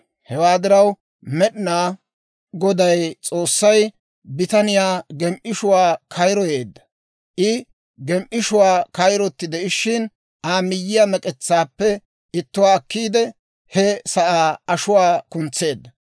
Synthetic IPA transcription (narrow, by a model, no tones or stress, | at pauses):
hɛwaːd̪ɪɾɐw | mɛɗɪnaː | ɡɔd̪ɐjt͡sʼo̞ːsːɐj | bɪt̪ɐnɪjaːɡɛmʔɪʃʊwaːkʰɐjɾɔjeːd̪ːɐ̥ | ʔɪ | ɡɛmʔɪʃʊwaːkɐjɾɔt̪ːɪd̪ɛʔɪʃɪn | ʔaːmɪjːɪjɐmɛkʼɛt͡sːaːpːɛ | ɪt̪ːʊwaːɐkːiːd̪ɛ | hɛsɐʔaːɐʃʊwaːkʊnt͡sːe̞ːd̪ːɐ